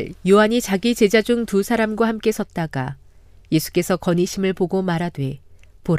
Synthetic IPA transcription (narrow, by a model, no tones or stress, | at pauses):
joɦaɲit͡ɕaɡit͡ɕe̞d͡ʑad͡ʑuŋtusʰaɾamɡwahamk͈e̞sʰʌt̚t͈aɡa | je̞sʰu̥k͈e̞sʰʌkʌɲiɕʰimɯɭpoɡomaɾadwe̞ | poɾ